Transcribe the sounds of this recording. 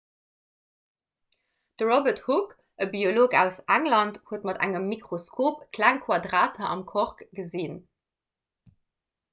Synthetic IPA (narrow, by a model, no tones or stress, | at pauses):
d̥əʁobəthuk | əbioloːkæʊsæŋlɑnthuətmɑdæ̰ŋəmːikʁoskʰoːpkʰlæŋkʰwɑdʁaːtʰɐʔɑmkʰoʁkɡ̥əzin